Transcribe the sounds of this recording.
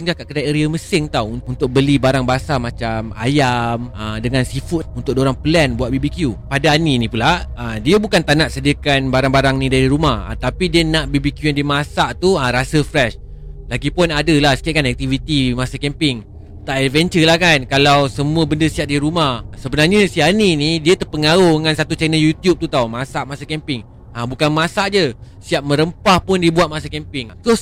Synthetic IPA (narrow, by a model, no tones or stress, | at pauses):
siŋɡakaʔkədaʔəɾiəməsɪŋt̪awuunt̪ʊk̚bəlibaɾaŋbasamat͡ʃama̰jamədəŋãnsifuunt̪ʊk̚doɾaŋpəlɛnbuat̪̚bibikjupadaːninĩpulaədiəbukant̪anaʔsədiəkanbaɾaŋbaɾaŋnĩdaɾiɾumaha̰t̪apidiənaʔbibikjujandimasaʔt̪uəɾasəfɾɛʃ | laɡipʊnadəlahsə̥kiaʔkanɛk̚t̪ivit̪imasakɛmpɪŋ | t̪aʔɛvɛnt͡ʃəlahkankalawsəmũəbəndəsiaʔ̚diɾumahsəbənarɲəsianinidiət̪ərpəŋaɾohŋansat̪ut͡ʃɛnəljut̪jup̚t̪ut̪awmasaʔmasakɛmpɪŋ | abukanmasaʔd͡ʒə | siap̚mə̃ɾəmpahpʊndiəbuat̪̚masakɛmpɪŋt̪o